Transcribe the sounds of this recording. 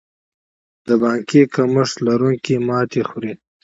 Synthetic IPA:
d̪̥əbɑːŋkekaməʂlaɾuŋkimɑːt̪exuɾi

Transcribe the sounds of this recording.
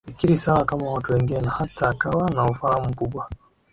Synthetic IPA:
ikiɾisawakamawatuwɛŋɡinɛnahataːkawanaufahamukuɓwa

